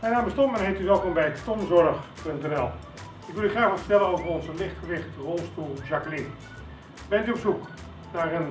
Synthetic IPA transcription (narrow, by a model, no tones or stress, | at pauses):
ɛnaːbəstɔmmənhetyʋɛlˠkonbɛjstɔmzɔrəxpøntɛnɛlˠ | ɪkʋɪlˠjyχraːxʋalˠfə̥rtɛlˠənoːvərɔnzəlɪxtχəʋɪxtrolˠstulˠʒakəlin | bɛntyɔpsuk | narən